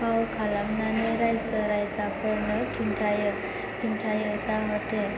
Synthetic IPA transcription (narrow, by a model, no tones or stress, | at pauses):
pawkʰalamnanejɾajsəɾajsapʰɔɾnʌkʰinʈʰajə | kʰinʈʰajəsaɦət̪e